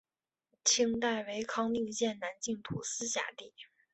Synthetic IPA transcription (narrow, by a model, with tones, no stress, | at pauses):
t͡ɕʰi˥ŋt̪a˥˩ɪwe˧˥ɪkʰɑ˥ŋni˥˧ŋɕjɛ˥˩nna˧˥nt͡ɕi˥˩ŋt̪ʰṵ˨˩sɹ̩˥ɕja̰˥˩t̪i˥˩